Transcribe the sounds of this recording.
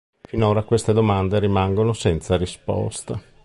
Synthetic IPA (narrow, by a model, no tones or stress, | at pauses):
finoːɾakwest̪ed̪omand̪eɾimaŋɡonosɛnt̪saɾispɔ̰st̪a